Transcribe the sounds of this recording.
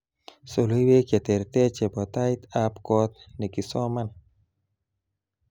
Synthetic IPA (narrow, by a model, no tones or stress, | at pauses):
solujweket̪eɾt̪et͡ʃebɔt̪ajt̪apkot̪̚nekisɔman